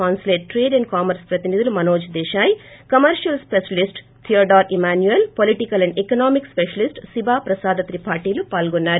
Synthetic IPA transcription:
aːnsleːʈʈɾeːɖɐɳɖ̚kaːmɐɾspɾɐt̪inid̪ulumɐnoːd͡ʒd̪ɛːʃaːjkɐmɐɾʃɐlspeʃɐlisʈ | t̪ʰiɐɖaːɾimaːnjuelpoliʈikɐlɐɳɖekɐnaːmikspeʃɐlisʈsibaːpɾɐsaːd̪ɐt̪ɾipaːɾʈiːlupaːlɡɔnːaːɾu

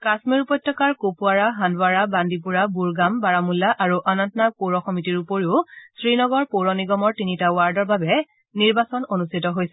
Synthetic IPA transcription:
kasmiɹupɔjtʰːɔkaɹkopuaɹaɦandwaɹabandip̬uɹabuɹɡambaɹamulːaʔaɹuʔanɔntɔnapoɹɔkʰɔmitiɹupoɹiʊsɹinɔɡɔɹpoɹɔniɡɔmɔɹtinitawaɹdɔɹbabɛ | niɹbasɔnonustʰitɔɦojsɛ

